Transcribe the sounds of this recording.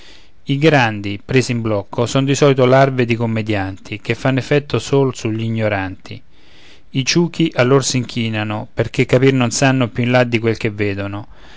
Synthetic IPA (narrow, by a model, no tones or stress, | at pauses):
iɡɾand̪ipɾeːzimblɔkːosonod̪isɔːlit̪olarved̪ikomːed̪jant̪ʰik̟efːanːefːɛt̪ːosoːlsuʎːiɲːoɾant̪ʰḭ | it͡ʃuːk̟iʔalːorsiŋkʰiːnanoperk̟ekːapirnonsanːopjuinlad̪ːikwelkevːeːd̪onʊ